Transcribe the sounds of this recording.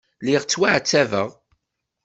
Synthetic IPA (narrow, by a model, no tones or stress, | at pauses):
liʁt͡sːwaʕt͡sːævə̰ʁ